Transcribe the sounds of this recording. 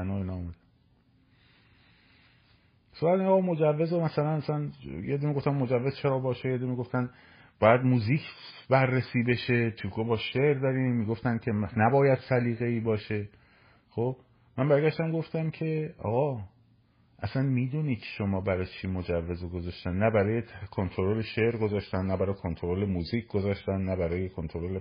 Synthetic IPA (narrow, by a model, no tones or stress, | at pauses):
noiːnɒːomæd̪æn | sobælenːɣɒːmo̞d͡ʒævːe̞zomæsælænæsænjed̪imiɡo̞ft̪æmːo̞d͡ʒævːezt͡ʃʰeɾɒːbɒːʃejed̪imiɡo̞ft̪æn | b̥ɒːjæd̪muːziːcʰbærːesiːbe̞ʃe̞t̪ʰukʰobɒːʃeʔɾd̪ɒːɾiːmmːiːɡo̞ft̪æncʲʰe̞næbɒːjæd̪sæliːɣe̞iːbɒːʃe̞ | xob̥ | mænbæɾɡæʃd̪æmɡo̞ft̪æmcʰe̞ɒ̰ːɣɒː | ʔæsænmiːd̪uːniːʃo̞mɒːbæɾɒjt͡ʃʰiːmod͡ʒævːe̞zoɡozɒʃt̪ænːnæbæɾɒːjekʰont̪ʰololeʃe̞ʔɾɡozɒːʃt̪ænːnæbæɾɒːjekʰont̪ʰoɾolemuːziːcʰɡozɒːʃt̪ænːnæbæɾɒːjekʰont̪ʰoɾole